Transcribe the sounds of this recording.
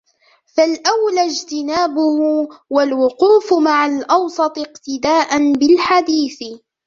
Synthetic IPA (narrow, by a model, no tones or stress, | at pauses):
falʔawlad͡ʒt̪ɪnaːbʊhwalwʊquːfmaʕalʔɑwsˤɑt̪ˤɪqt̪ɪd̪aːʔanbɪlħad̪iːθ